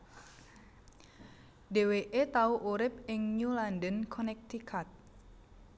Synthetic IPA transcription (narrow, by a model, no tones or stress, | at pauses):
deweʔet̪auʔuɾɪp̚ɪŋɲulandənkʰɔnɛk̚t̪ikʰat̪̚